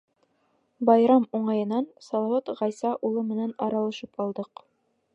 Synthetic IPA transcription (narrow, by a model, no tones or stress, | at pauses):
bɑjɾɑmuɴɑjɤ̆nɑnsɑlˠɑwɑt̪ʁɑjsɑʔulˠɤmɘ̆nænɑɾɑlˠɤ̆ʃɤpɑlˠd̪ɤq